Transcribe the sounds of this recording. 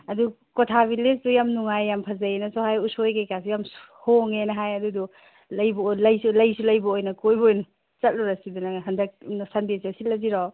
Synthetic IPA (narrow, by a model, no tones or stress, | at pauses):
ɐdu | kotʰabilesdujamnuŋajːampʰɐzɐjenɐsɔhajusojkejkas̬ujams | hoŋenɐɦajɐdudu | lɐjbɐlɐjsulɐjsulɐjbɐojnɐkojbojnɐ | t͡ʃɐt̚luɾasidunɐɦɐndɐk̚sandesasillɐziɾɔ